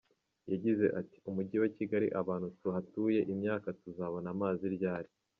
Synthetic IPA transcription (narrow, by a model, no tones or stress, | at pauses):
jaɟize̞̰ʔati̥umuɟiwaciɡaɾḭʔaβaːn̥hutuɦatuːje̞ʔimɲaːkatuzaːβonamaːziɾɟaːɾi